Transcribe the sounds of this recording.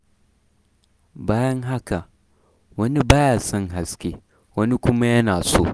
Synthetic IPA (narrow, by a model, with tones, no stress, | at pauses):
baː˦jɐ˦ŋɦa˦ka˨ | wɐ˦ni˦baː˦jaː˨sɐ˦ŋɦa˨skʲeː˦ | wɐ˦ni˦kʷʊ˦ma˦jɐ˦naː˨soː˦˨